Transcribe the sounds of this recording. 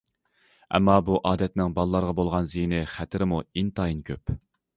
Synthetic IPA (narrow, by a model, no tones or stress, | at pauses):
ɛ̰mːɑbuʔɑːd̪ɛt̪nɪŋbɑlˠlˠɑɾʁɑbolˠʁɑnzijnɪχæt̪ʰɪɾɪmuint̪ʰɑinkʲʰøp